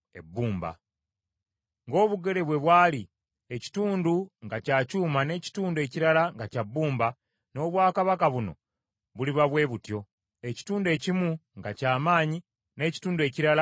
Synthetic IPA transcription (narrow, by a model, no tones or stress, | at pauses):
ḛbːuːmba̰ | ŋɡo̞ːβuɡe̞le̞βwe̞βwaːli | e̞ci̥tuːnduŋɡacaːcuːmane̞ːci̥tuːndue̞ciɾalaŋɡacabːuːmba | no̞ːβwaːkaβakaβuno̞̰ | βuliβaβwe̞ːβutjo̞ | e̞ci̥tuːndue̞ːcimuŋɡacaːmaːɲi | ne̞ːci̥tuːndue̞ːciɾala